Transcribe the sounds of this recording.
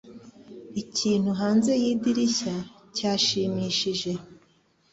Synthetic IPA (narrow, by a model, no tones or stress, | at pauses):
icʰiːn̥huɦaːnze̞jiːdiɾiça | caːʃiːmiːʃiʒe̞